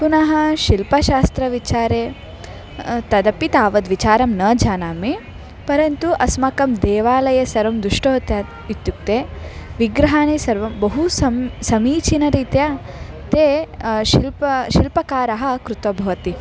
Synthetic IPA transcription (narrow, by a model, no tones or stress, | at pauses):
kunɐɦɐ̆ʃilpɐʃaːst̪ɾɐʋit͡ʃaːɾeː | t̪ɐd̪ɐpit̪aːʋɐd̪ʋit͡ʃaːɾɐmnɐːd͡ʒʱaːnaːmi | pɐɾɐnt̪uʔɐsmɐkɐmd̪eːʋaːlɐjɐsɐɾɐmd̪uʂʈoːt̪ɐ | it̪juk̚t̪eːʋiɡɾɐɦaːnisɐɾʋɐmbɐɦusɐsɐmiːt͡ʃinɐɾiːt̪jaː | t̪eːʃilpɐʃilpɐkaːɾɐɦɐ̆kɾut̪ʋɐbʱɐʋɐt̪i